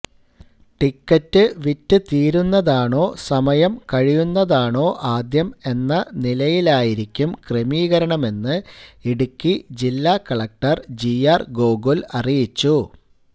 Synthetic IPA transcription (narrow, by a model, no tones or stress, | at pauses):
ʈikːɐtːɨʋitːɨt̪iːɾunːɐðaːɳo̞ːsɐmɐjɐmkɐɻijunːɐðaːɳo̞ːʔaːd̪jɐme̞nːɐnilɐjilaːjiɾikʲːumkremiːɣɐɾɐɳɐme̞nːɨiɽukʲːid͡ʑilːaːkɐɭɐk̚ʈɐrd͡ʑiaːrɡo̞ːɡolɐrijit͡ɕːu